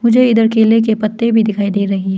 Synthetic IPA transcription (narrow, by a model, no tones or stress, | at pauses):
mʊd͡ʒʱeɪd̪əɾkeːlek̬epɐt̪ːebʱid̪ɪkʰaːid̪eːɾɐɦiɦɛː